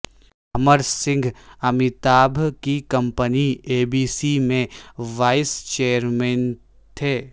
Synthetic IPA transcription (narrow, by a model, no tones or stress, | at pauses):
ɐməɾsɪ̃ŋɡʱɐmɪt̪aːbʱkikɐ̃mpənieːbiːsimẽʋaːɪst͡ʃeːəɾmɛːn | t̪ʰeː